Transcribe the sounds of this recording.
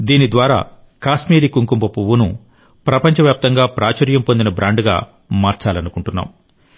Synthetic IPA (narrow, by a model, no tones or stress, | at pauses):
d̪iːnid̪ʋaːɾa̰ː | kaːsmiːɾikuŋkumpɐpuʋunṵ | pɾɐpɐɲt͡ʃɐʋjaːp̚t̪ɐŋɡaːpɾaːt͡ʃɐɾjɐmpo̞nd̪inɐbɾaːɳɖɡa̰ː | maːɾt͡ʃaːlɐnukuɳʈunːa̰ːm